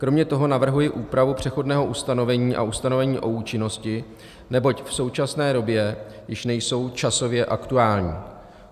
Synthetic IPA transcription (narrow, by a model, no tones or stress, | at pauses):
kɾo̞mɲɛt̪o̞ɦo̞navr̩ɦujɪʔuːpɾavupr̝̥ɛxo̞dnɛːɦo̞ʔust̪ano̞vɛɲiːʔa̰ʔust̪ano̞vɛɲiːʔo̞uːt͡ʃɪno̞scɪ | nɛbo̞cfso̞wt͡ʃasnɛːdo̞bjɛ | jɪʃnɛjso̞wt͡ʃaso̞vjɛʔakt̪uaːlɲiː